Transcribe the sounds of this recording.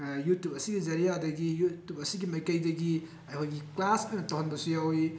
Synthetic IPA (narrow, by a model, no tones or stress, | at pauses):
jutjup̚ɐsiɡizɐɾijadɐɡijutjup̚ɐsiɡimɐjkɐjdɐɡi | ɐkʰojɡiklasɐnɐtowɦɐnbɐsujawi